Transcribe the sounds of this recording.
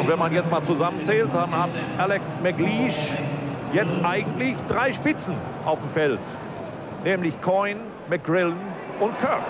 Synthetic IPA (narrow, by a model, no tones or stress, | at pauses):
ʊntv̥ɛnmanjɛt͡stmaːlt͡suzamənt͡sɛːlt̚d̥anhatʔalɛksmɛɡliːʃ | jɛt͡stʔaɪɡŋ̩tlɪçd̥ʁaɪʃpɪt͡sn̩ | ʔaʊfm̩fɛlt | nɛːmlɪçkʰɔɪn | mɛk̚ɡʁɪlən | ʔʊntkʰœk